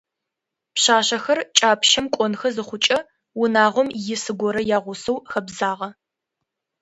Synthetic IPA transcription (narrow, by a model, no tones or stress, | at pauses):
pɕaːɕɐxɐrt͡ʃʼaːpʰʃɐmkʷʼɔnxɐzɨχʷʊt͡ʃʼɐ | wʊnaːʁʷɔmjɪsɨɡʷɔɾɐjaːʁʷʊsɐwxɐbzaːʁɐ